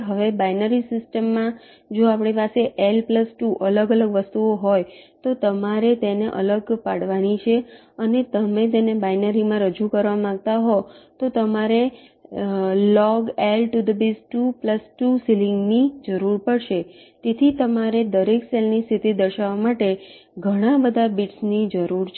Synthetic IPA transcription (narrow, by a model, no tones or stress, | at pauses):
ɦəʋebajnəɾisɪsʈəmːã | d͡ʒoapɳ̃ipaseʔelpləsʈuʔələɡələɡʋəst̪uoɦojt̪ot̪əmaɾet̪eneʔə̰ləɡpaɽʋanit͡ʃʰe | ənet̪əmet̪enebajnəɾimãɾəd͡ʒukəɾʋamããɡt̪aɦot̪ot̪əmaɾe | lɔɡelʈud̪əbisʈupləsʈusilɪŋɡnid͡ʒəɾuɾpəɽʃe | t̪et̪ʰit̪əmaɾed̪əɾekselnist̪ʰit̪id̪əɾʃaʋamaʈeɡʱəɽ̃ãbəd̪ʱabiʈsnid͡ʒəɾuɾt͡ʃʰ